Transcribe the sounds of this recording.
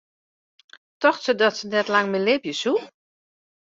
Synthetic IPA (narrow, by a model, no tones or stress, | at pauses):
tɔxtsədɔtsənɛtlaŋmɪlɪbjəsu